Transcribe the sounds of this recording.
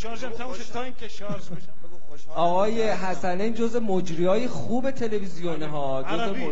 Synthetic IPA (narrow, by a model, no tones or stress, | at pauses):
ʔɒːɣɒːje̞ɦæsænend͡ʒozemod͡ʒɾiɒːjeχuːbe̞t̪ʰe̞le̞vizijoneɦɒːd͡ʒoze